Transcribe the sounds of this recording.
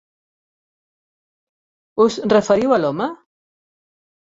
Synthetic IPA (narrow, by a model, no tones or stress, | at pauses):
uzrəfəɾiwalɔmə